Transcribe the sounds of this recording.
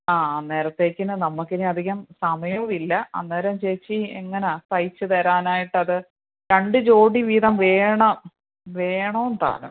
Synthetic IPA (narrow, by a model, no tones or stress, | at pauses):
aːne̞ːɾɐt̪ːe̞ːkʲːinɨnɐmːukːiniɐd̪ʱiɣɐmsɐmɐjɐʋilːɐɐ̰nːeːɾɐmt͡ɕejt͡ɕːieŋːɐnasɐjt͡ɕːɨt̪ɐɾaːnaːjiʈːɨɐðɨ | ɾeɳɖɨd͡ʑo̞ːɖiʋiːðɐmʋeːɳɐ | ʋeːɳoːnt̪a̰ːlṵm